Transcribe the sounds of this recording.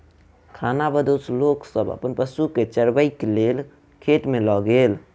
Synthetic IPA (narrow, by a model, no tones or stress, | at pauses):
kʰanabəd̪osloksəbə̰pənpəsuket͡ʃəɾbəɪkelel | kʰeʈmelɔɡel